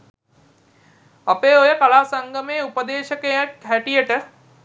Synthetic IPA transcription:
ɐpeːojəkalaːsɐŋɡəmeːupəd̪eːʃəkejəkɦæʈijəʈə

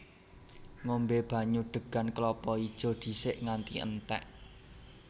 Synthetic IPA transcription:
ŋombeb̥ä̤ɲuɖ̪̥ə̤ɡ̥a̤nklɔpɔid̥ʒ̥ɔ̤d̪̥i̤sɪʔŋant̪iʔə̰nt̪ɛ̰ʔ

